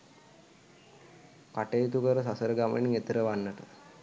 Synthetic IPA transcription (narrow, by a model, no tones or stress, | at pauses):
kaʈejt̪ukəɾəsasəɾəɡamə̰niŋet̪əɾəʋanːəʈə